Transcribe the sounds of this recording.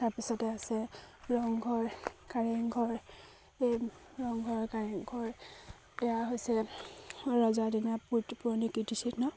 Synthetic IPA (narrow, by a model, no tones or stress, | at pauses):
taɹpisɔtɛasɛɹɔŋɡʱɔɹkaɹɛŋɡʱɔɹ | e | ɹɔŋɡʱɔɹkaɹiŋɡʱɔɹ | ɛjaɦojsɛ | ɹɔzadinaputipɔnikitisiknɔ